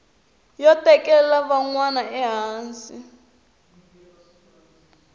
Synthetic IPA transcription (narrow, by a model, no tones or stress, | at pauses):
jɔtɛkɛlaβaŋwanaʔɛɦaːnsi